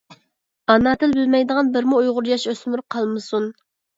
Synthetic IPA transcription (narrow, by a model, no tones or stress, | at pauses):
ɑnɑt̪ʰɪlbylmɛjd̪əʁɑnbɪɾmuujʁʊɾjɑʃøsmɪɾʊqʰɑlˠmɨsun